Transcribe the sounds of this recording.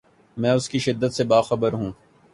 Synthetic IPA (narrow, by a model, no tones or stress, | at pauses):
mɛ̃ːʊskiʃɪd̪ːət̪sebaːxɐbəɾɦũː